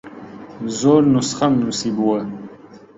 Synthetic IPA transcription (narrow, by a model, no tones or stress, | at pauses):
zoːɾnusχamnusibuwə